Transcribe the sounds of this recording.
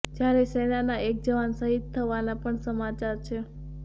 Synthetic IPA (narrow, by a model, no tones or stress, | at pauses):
d͡ʒjaɾeseɽ̃anaʔek̚d͡ʒəʋansəɦit̪ʰːəʋanapəɳsəmat͡ʃaɾt͡ʃʰe